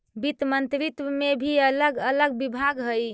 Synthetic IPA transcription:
bit̪mənt̪ɾit̪ʋəmebʱiələɡələɡbibʱaɡɦəj

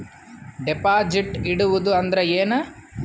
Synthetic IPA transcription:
ɖipaːd͡ʒiʈiɽuʋud̪uɐnd̪ɐɾeeːnɐ

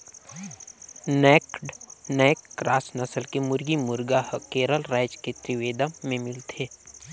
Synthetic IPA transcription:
nɛːkɖnɛːkːɾaːsnəsəlkemʊɾɡimʊɾɡahkeːɾəlɾaːɪd͡ʒket̪ɾɪʋeːd̪əmːẽmɪlt̪ʰeː

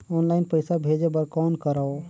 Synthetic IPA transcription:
ɔːnlaːɪnpəɪsabʱeːd͡ʒebəɾkaːnkəɾao

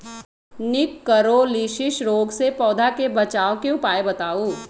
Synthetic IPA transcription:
nɪkːəɾoliːʃɪʃɾoːɡsepɔːd̪ʱakebɐt͡ʃaːõkeʊpaːebɐt̪aːuː

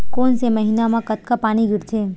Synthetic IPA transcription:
konseməɦinamãkət̪kapaːɽ̃iɡʱiɾt͡ʃʰe

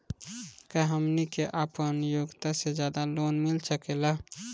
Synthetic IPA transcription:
kəɦəmnikeʔaːpənjoːɡt̪ased͡ʒjaːd̪aloːnmɪlsəkela

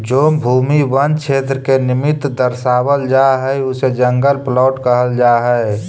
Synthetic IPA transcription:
d͡ʒoːbʱuːmiʋənt͡ʃʰeːt̪ɾəkenɪmɪt̪d̪əɾsaːwəld͡ʒaɦɛʊsed͡ʒə̃ŋɡəlplɔːʈkəɦəld͡ʒaɦɛe

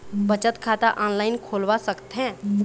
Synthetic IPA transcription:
bət͡ʃət̪kʰaːt̪aʔɔːnlaːɪnkʰoːlʋasəkt̪ɦɛ̃

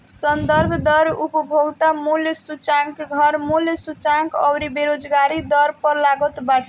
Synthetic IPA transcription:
sʌnd̪ʌɾbʱd̪ʌɾupɔbʱoɡt̪amuljsut͡ʃaŋkɡʱʌɾmuljsut͡ʃaŋkʌwɾibeɾod͡zɡaɾid̪ʌɾpʌɾlaɡot̪baʈʰ

